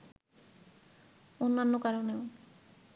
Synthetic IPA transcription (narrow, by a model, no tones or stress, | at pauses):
onːanːokaɾoneo